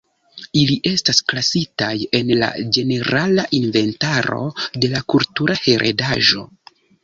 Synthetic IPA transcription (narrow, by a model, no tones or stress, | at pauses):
iliʔe̞stasklasitaje̞nla̰d͡ʒe̞ne̞ɾalaʔinve̞ntaɾo̞̰de̞lakultuɾʔahe̞ɾʔḛdaʒo̞̰